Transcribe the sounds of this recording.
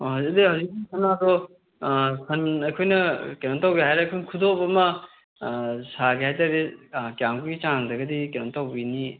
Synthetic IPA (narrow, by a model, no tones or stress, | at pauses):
hɐwzik̚dihɐwzik̚ːisʰɐnːadɔ | sʰɐnɐjkʰojnɐkenontawɡeɦajɾeɐjkʰojnɐkʰudopɐmɐ | saɡihajtaɾekijamkʰuɡit͡ʃaŋdɐɡɐdikenontawbini